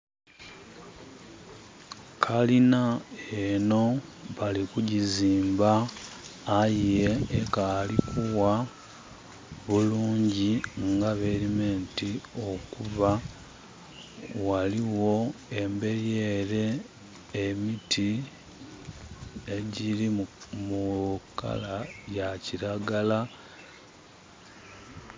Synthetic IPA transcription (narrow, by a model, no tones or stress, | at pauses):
kʰalinaeno̞βalikuɟiziːmbaː | jijeekaːlikʰuwa | βuluːɲɟiŋɡaβeɾime̞ːntio̞kuβa | waliwo̞e̞mbe̞ɾje̞ɾe̞ː | emitʰi | eɟiɾimuka̰lajaciɾaɡala